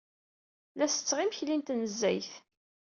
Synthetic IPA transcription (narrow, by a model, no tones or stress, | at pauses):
læsə̥t͡sːʁimçlint̪nəzːæ̰jθ